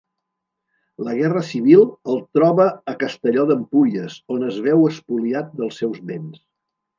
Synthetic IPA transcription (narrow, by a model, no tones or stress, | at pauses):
ləɣ̞ɛrəsiβilˠəlˠt̪ɾɔβəːkəst̪əʎɔðəmpuʎiəsonəzβɛwəspuliat̪̚d̪əlˠsɛwzβens